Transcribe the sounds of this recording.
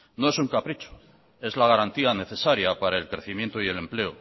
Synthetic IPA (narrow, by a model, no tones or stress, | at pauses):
no̞e̞suŋkapɾit͡ʃo̥ | e̞zlaɣaɾant̪iane̞θe̞saɾjapaɾae̞lkɾe̞θimje̞nt̪oie̞le̞mple̞o